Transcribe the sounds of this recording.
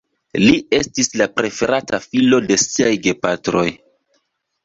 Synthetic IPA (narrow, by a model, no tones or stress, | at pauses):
lie̞stislapɾe̞fe̞ɾatafilo̞de̞siajɡe̞patɾo̞j